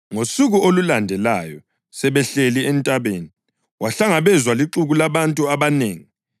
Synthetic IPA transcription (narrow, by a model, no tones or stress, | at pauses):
ŋosuɣuolulandʱɛlajɔ | sɛβɛɬeliɛntʼaβeːni | waɬaŋaβɛzwaliǁuɣulaβantʼuaβaneːŋi